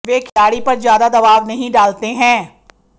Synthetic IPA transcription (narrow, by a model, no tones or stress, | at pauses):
ʋeːkʰɪlaːɽipɐɾzjaːd̪ad̪ɐbaːʋnɐɦĩɖaːlt̪eɦɛ̃ː